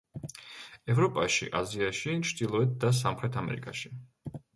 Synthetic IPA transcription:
ɛvɾɔpʼaʃḭʔa̰ziaʃit͡ʃʰd̪ilˠɔɛt̪̚d̪as̬amχɾɛt̪ʰamɛ̰ɾḭkʼaʃi̥

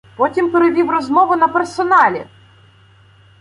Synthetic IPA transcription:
pɔtʲimpeɾeʋʲiwrɔzmɔʋʊnɐpersɔnɑlʲḭ

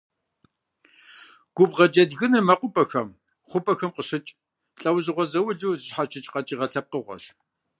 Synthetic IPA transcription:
ɡ̥ʷʊbʁɐd͡ʒɐdɣɨnɨrmɐqʷʼʊpʼɐxɐm | χʷʊpʼɐxɐmqəɕɨt͡ʃʼ | ɬʼɐwʑɪʁʷɔzɐwʊɮuːzɨɕħat͡ʃʰʼɪt͡ʃʼqɐt͡ʃʼiːʁɐɬɐp̚qəʁʷɔ̰ɬ

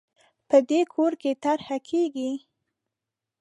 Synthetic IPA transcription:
pəd̪ekʰoɾket̪aɾhakʰeɡi

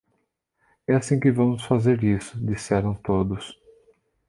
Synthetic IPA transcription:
ɛasĩkɪvɐ̃mʊsfazeɾisʊd͡ʒisɛɾɐ̃w̃t̪od̪ʊs

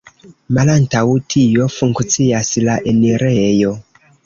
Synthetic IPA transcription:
malantawtʰijo̞fuŋkt͡sijaslaʔeniɾejo̞

